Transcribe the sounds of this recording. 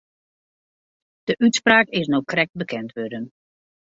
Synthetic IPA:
d̥əʔytspraːkɪsnokrɛk̚t̚bəkɛntʋødən

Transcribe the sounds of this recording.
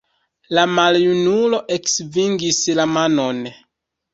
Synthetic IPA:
lamaljunulo̞ʔeksviŋɡislamanon

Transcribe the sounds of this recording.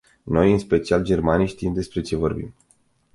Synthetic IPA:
no̞jɨnspe̞t͡ʃiald͡ʒe̞rmanijʃt̪iimd̪e̞spɾe̞t͡ʃe̞vo̞rbḭm

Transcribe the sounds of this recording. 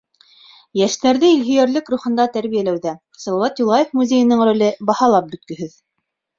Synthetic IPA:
jæʃt̪æɾðɘilɦyjæɾlɘkruχɤ̆nd̪ɑt̪æɾβijælæwðæ | sɑlˠɑwɑt̪ulˠɑjefmuzʲejɤ̆nɤɴrolʲɘbɑhɑlˠɑp̚bɵ̆t̪̚kɵ̆ɦɵð

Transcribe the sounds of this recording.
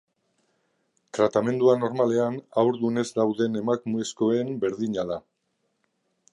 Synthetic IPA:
t̪ɾat̪ame̞nd̪uano̞ɾmale̞anawɾðune̞zd̪awðe̞ne̞makmuesko̞e̞mbe̞ɾðiɲaða

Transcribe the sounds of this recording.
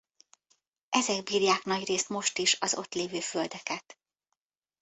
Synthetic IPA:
ʔɛzɛɡbiːrjaːknɒɟreːst̪mo̞ʃt̪iʃɒzo̞̰t̪leːvøːføld̪ɛkɛt̪

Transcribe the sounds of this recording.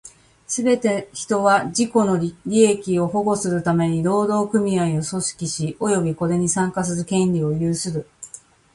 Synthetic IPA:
sɨbe̞t̪e̞çi̥t̪o̞βaʑiko̞no̞ɾʲie̞kʲio̞ho̞ɡo̞sɨɾɯ̟t̪ame̞ɲ̟iɾo̞ːd̪o̞ːkɯ̟mʲiaio̞so̞ɕi̥kʲiɕiʔo̞jo̞bʲiko̞d̪e̞ɲ̟isãŋkasɨzɨkẽ̞nʲɾʲio̞jɯːsɨɾɯ̟

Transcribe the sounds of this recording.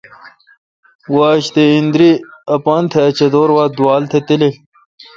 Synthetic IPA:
waːɕt̪eind̪ɾiɐpant̪ʰeɐt͡ɕɐd̪oːɾwaːd̪waːlt̪ʰet̪ile

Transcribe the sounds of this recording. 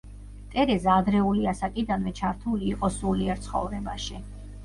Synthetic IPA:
t̪ʼɛɾɛzad̪ɾɛuliasakʼid̪anvɛt͡ʃʰaɾt̪ʰuliːqʼɔsuliɛɾt̪sʰχɔ̰vɾɛbaʃi

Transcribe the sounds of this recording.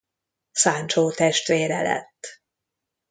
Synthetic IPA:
saːnt͡ʃoːt̪ɛʃt̪reːɾɛ̰lɛ̰t̪ː

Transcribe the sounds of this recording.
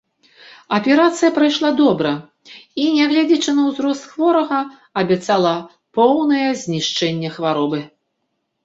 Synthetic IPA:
ɐpʲɛɾat̪sɨjɐpɾajʂlˠad̪ɔbɾɐ | inʲɛɣlʲad͡zʲit͡ʂɨnɐwzɾɔst̪xvɔɾɐɣɐ | ɐbʲɛt̪salˠɐ | pɔwnɐjɛzʲnʲiʂt͡ʂɛnʲːɛxvaɾɔbɨ

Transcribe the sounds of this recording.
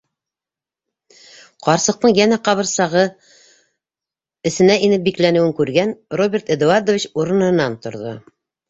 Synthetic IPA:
qɑɾsɤ̆q̚t̪ɤɴjænæqɑβɤ̆ɾsɑʁɤ | ɘ̆sɘ̆næinɘp̚biklænɘ̆wɘŋkʉɾɡænrobʲeɾt̪ed̪uaɾd̪ovʲit͡ɕuɾɤ̆nɤ̆nːɑnt̪ŏɾðo̰

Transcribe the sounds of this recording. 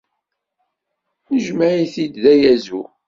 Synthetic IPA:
nəʒmæʕiθid̪ðæjæzu

